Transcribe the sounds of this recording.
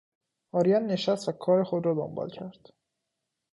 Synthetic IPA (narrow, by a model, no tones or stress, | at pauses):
ɒːɾijænːe̞ʃæst̪vækʰɒːɾexod̪ɾɒːd̪o̰mbɒ̰ːlcʰæɾd̪̥